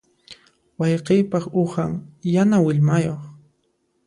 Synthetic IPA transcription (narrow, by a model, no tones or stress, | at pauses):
wɑjqejpɑχʊhaŋjanawɪʎmajoχ